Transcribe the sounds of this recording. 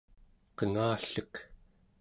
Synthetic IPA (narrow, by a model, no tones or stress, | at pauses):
qəŋaːɬək